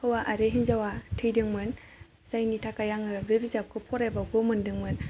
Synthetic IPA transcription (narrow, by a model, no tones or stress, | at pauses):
hɯwaʔaɾeɦinzawatʰɯjdɯŋmɯn | z̥ajnitʰakajaŋɯbebizap̚kʰɯpʰɔɾajbaɡomɯndɯŋmɯn